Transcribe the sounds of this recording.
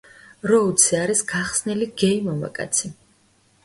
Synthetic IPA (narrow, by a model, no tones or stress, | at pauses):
ɾɔut̪sʰiaɾisɡaχsniliɡɛimɔma̰kʼa̰t̪sʰi